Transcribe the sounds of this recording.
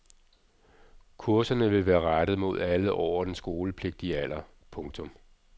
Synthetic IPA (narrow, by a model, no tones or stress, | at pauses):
kʰuɐsɐnəʋe̝ʋæːɐʁaɾ̥ð̞̩ˠmo̝ð̞ˠæləʔɒʊ̰ɐd̥ensɡ̥o̝ːləpʰle̝ɡ̥̚d̥iæl̰ɐ | pʰɔ̽ŋt͡sʰɔ̽m